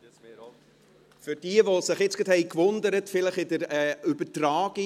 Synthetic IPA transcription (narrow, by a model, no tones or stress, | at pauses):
fʏɾd̥iəvosɪχjɪt͡sɡ̥ət̪hɛɪkvʊnd̪əɾətfɪləχɪdəɾɛːybətraːɡi